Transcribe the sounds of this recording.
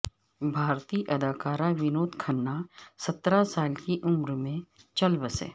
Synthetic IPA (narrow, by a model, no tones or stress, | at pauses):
bʱaːɾt̪iːʔɐd̪ʱaːkaːɾaʋɪnoːd̪kʰɐnːasɐt̪ɾasaːlkiʔʊmɾmẽt͡ʃɐlbəsḛː